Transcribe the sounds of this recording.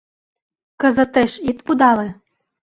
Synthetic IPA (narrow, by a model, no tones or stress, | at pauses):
kə̆zə̆t̪eʃit̪pud̪ɑle